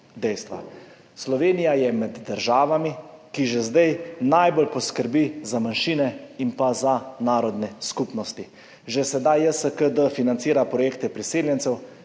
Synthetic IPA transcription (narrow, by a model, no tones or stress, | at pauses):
d̪ɛjst̪ʋa̰ | slɔʋeːnijajɛmɛd̪ːəɾʒaːʋamikiʒezd̪ɛjnajbolpɔskəɾbizamanʃiːnɛimpazanaːɾɔd̪nɛskuːpnɔst̪i | ʒesɛd̪ajəsəkəd̪əfinant̪siːɾapɾɔjeːkt̪ɛpɾiseːljɛnt̪sɛw